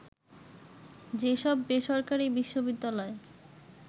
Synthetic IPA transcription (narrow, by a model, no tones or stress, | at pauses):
d͡ʑeʃɔbːeʃɔɾkaɾibiʃːobid̪ːalɔe